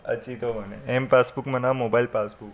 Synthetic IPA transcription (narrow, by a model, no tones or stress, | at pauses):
ə̰t͡ʃit̪oʋəneempasbukmənamobailpasbuk